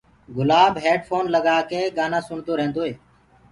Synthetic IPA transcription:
ɡʊlaːbɦeːɖfʰoːnləɠaːkeːɡaːnãːsʊɳd̪oːɾẽːnd̪oːɦeː

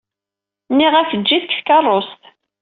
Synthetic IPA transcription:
nːiʁæçəːiθəkθkɑrˤːost̪

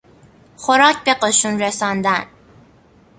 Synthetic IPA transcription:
xoɾɒːcʰbeqoʃunɾesɒnd̪æn

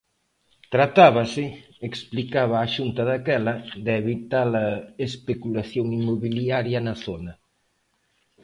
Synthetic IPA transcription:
t̪ɾat̪aβɐsɪ | eksplikaβɐːʃunt̪ɐðakɛlɐðeβit̪alɐespekulaθjoŋimoβiliaɾjɐnɐθonɐ

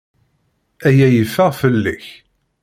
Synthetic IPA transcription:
æjæjəfːəʁfəlːiç

